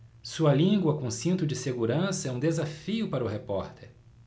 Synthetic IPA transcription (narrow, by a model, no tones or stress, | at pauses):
suɐlĩɡwɐkõsĩnt̪ʊd͡ʒɪseɡuɾɐ̃sɐɛũd̪ezafiʊpaɾɐʊɦepɔɾt̪eɾ